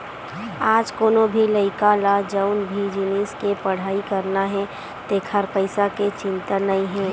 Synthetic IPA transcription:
aːd͡ʒkoːnobʱiləɪkalad͡ʒəʊnbʱid͡ʒiniːskepɐɽ̤aːikɐɾnaɦɛ̃ | t̪eːkʰəɾpəɪsaket͡ʃɪ̃nt̪ənəĩɦɛ̃ː

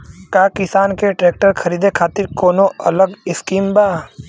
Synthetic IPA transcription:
kaːkɪsaːnkeʈɾeːk̚ʈəɾkʰɐɾiːd̪ekʰaːt̪ɪɾkoːnõɐləɡɪskiːmbaː

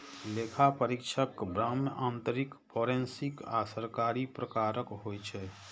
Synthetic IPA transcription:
leːkʰapəɾɪkʃʰəkbɾaːmãːnt̪əɾɪkpʰɔːɾẽnsɪkaːsəɾkaːɾipɾəkaːɾəkɦoːjt͡ʃʰɛ

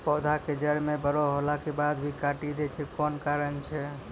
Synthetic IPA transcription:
pɔd̪ʱaked͡ʒəɾmebəɾɔɦolakebad̪bʱikaʈid̪ɛt͡ʃʰɛkɔnkaɾənt͡ʃʰɛ

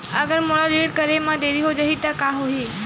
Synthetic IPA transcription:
əɡəɾmoɽaɾeːɖkəɾemãd̪eːɾiɦod͡ʒaɦit̪əkaɦoɦiː

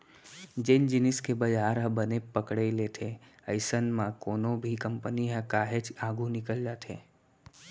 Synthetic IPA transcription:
d͡ʒend͡ʒɪnɪskebəd͡ʒaːɾɦəbənepəkɽelet̪ʰeəɪsənmãkoːnõbʱikəmpəniɦə̃kaːɦet͡ʃaːɡʱũnɪkəld͡ʒaːt̪ɦḛː

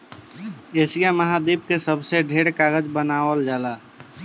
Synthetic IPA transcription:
eːsijaməɦad̪iːb̚kesəbseɖʱeɽkaːɡəd͡ʒbənaːwəld͡ʒaːlaː

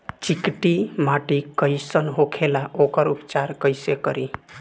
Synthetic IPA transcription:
t͡ʃikʈimaʈikəjsənɦokʰelaʔokəɾupt͡ʃaɾkəjsekəɾi

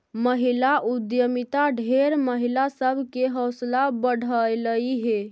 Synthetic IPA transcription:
məɦilaʔud̪jəmit̪aɖʱeɾməɦilasəbʱkeɦəwslabəɽ̤ʱəjləiɦe

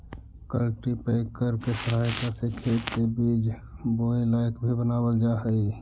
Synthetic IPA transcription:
kə̰lʈipəɪkəɾkesəɾɦajkasekʰet̪kebid͡ʒ | boilaɪkbʱibənaːbəld͡ʒaɦəi

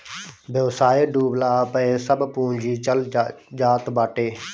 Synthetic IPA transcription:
bʱeːsaːeːɖuːblaːpəẽːsəbpũːɲd͡ʒiːt͡ʃəld͡ʒaːt̪baːʈeː

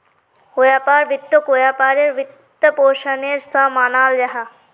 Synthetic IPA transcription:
koːjaːpaːɾʋɪt̪ːokoːjaːpaːɾeɾʋɪt̪ː | ɐpoːʃɐneɾsãmaːnaːld͡ʒɐɦa

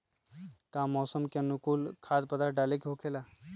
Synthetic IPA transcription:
kãːmɔːsəmkenʊkuːlkʰaːd̪pɐd̪aɖaːlekeɦokʰela

